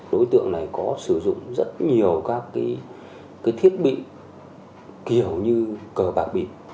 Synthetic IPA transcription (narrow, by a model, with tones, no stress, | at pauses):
ɗo˨˦jt̪ɨ̰˧˨əŋna˨˩jkɔ˨˦sɨ˧˩zʊ̰˧˨ŋ͡mzə˦˥t̚ɲi˨˩əwkaː˦˥kːiː˨˦j | kaː˨˦jt̪ʰi˦˥ət̚ɓḭ˧˨ | ki˧˩əwɲɨ˧kəː˨˩ɓa̰ː˨˩k̚ɓi˨˩p̚